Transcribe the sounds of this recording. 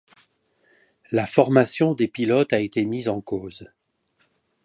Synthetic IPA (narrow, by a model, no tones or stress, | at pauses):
lafɔʁmasjɔ̃d̪epilɔt̪aet̪emizɑ̃koːz